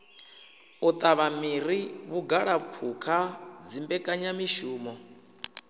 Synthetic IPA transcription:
ut̪ʼaβamiɾiβuɡaɺapʰukʰad͡zimbɛkʼaɲamiʃuːmɔ

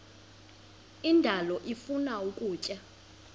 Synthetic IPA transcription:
indʱalɔʔifunaukʼuːcʼa

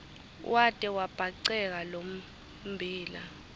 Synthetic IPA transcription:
wʔatʼɛwab̥ʱaǀɛk̬alom̩ | bʱiːla̰

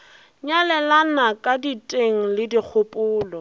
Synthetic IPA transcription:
ɲalɛlanakʼaditʼeŋ̩lɪdik͡xʰʊpʼʊːlɔ

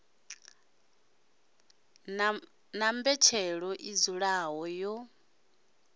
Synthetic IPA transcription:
nambɛt͡ʃʰɛɺɔʔizuɺaɦɔjɔ

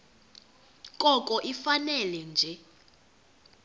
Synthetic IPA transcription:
kʼɔkʼɔʔifanɛlɛnd͡ʒʱɛ

